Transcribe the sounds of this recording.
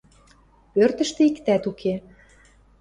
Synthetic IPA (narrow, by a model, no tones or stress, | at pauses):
pørt̪ə̆ʃt̪ĕikt̪æt̪ukʰe